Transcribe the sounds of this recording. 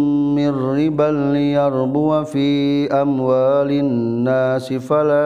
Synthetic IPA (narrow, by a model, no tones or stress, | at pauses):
mɪrːibalːijaɾbuwafiːʔamwaːlinːaːsifala